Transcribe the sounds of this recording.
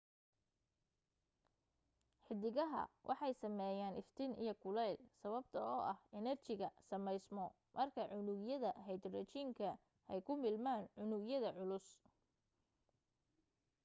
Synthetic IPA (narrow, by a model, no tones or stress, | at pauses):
ħɪd̪ɪɣɐɦɐ̰wʔɑ̰ħɑjsɐmɛːjaːnʔɪft̪ʰɪnḭjɞkʰʊlɛjlsɐβɐbt̪ʰɐɔːʔɐhɛnɐrt͡ʃɪɣɐsɐmɛjsmɔ | mʔɐrkʰɐʕʊnʊɡjɐðɐɦɛjd̪rɛt͡ʃiːŋkʰɐ | ɛjkʰʊmɪlmaːnʕʊnʊɡjɐðɐʕʊlʊs